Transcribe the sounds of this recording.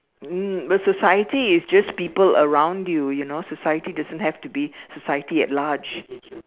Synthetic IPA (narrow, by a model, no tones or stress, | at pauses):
m̩bəsɔsajətiɪsd͡ʒaspiːpələɹãʊ̃ndjujunosɔsajətidazə̃nthɛftubisɔsajətiɛ̰t̚lad͡ʒ